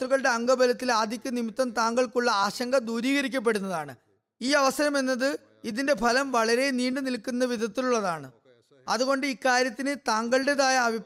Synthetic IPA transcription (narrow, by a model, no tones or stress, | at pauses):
t̪ruɣɐɭɨɽe̞ɐŋɡɐbʱɐlɐt̪ːilaːd̪ʱikʲːunimit̪ːɐmt̪aːŋɡɐɭkuɭːɐaːɕɐŋɡɐd̪uːɾiːɣɐɾikʲːɐp̬ːe̞ɽunːɐðaːɳɨ | iːɐʋɐsɐɾɐme̞nːɐðɨ | iðinde̞pʰɐlɐmʋɐɭɐɾe̞niːɳɖɨnilkːunːɐʋid̪ʱɐt̪ːiluɭːɐðaːɳɨ | ɐðuɣo̞ɳɖɨikːaːɾjɐt̪ːinɨt̪aːŋɡɐɭɨɽeðaːjɐːbʱip